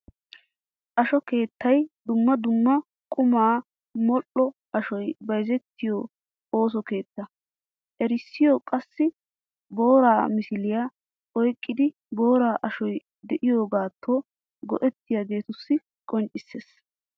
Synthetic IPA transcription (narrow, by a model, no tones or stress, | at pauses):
ʔɐʃɔke̞ːt̪ːɐjd̪ʊmːɐd̪ʊmːɐ | kʼʊmaː | mɔlːɔʔɐʃɔjbɐjzɛt̪ːɪjɔ | oːs̬ɔke̞ːt̪ːɐ | ʔɛɾɪsːɪjɔkʼɐsːɪ | bo̞ːɾaːmɪsɪlɪja | ɔjkʼːɪd̪ɪ | bo̞ːɾaːʔɐʃɔj | d̪ɛʔɪjo̞ːɡaːt̪ʰːo | ɡɔ̰ʔɛt̪ːɪjaɡe̞ːt̪ʊsːɪ | kʼɔnt͡ʃʼːɪsːeːs